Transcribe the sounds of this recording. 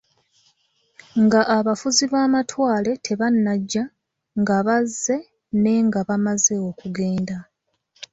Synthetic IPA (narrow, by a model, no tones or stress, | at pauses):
ŋɡaʔaβafuziβaːmatwaːle̞tʰe̞βanːaɟːa | ŋɡaβazːe̞ | ne̞ŋɡaβamaze̞o̞kuɡe̞ːnda